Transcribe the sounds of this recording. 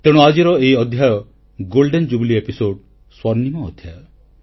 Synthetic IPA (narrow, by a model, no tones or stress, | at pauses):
t̪eɽ̃uad͡ʒiɾɔeiɔd̪ʱjajɔ | ɡolɖend͡ʒubiliepisoɖ | swɔɾnimɔːd̪ʱjajɔ